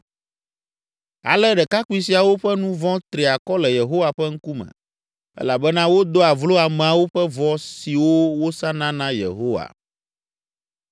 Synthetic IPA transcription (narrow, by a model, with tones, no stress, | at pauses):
a̰˨lɛ˦ɖɛ˨ka˦ku˦i˦si˨a˨wo˦ɸɛ˦nũ˦vɔ̃˦t̪ɾi˨a˨kɔ˦lɛ˨je˨ɦo˦wa˨ɸɛ˦ŋ̩˦ku˦mɛ̰̃˨ | ɛ̰˦la˨bɛ˦nã˦wo˦d̪o˦a˨vlo˦a˨mɛ̃˨a˨wo˦ɸɛ˦vɔ˨si˨wo˦wo˦sã˦nã˦nã˦jḛ˨ɦo˦wa̰˨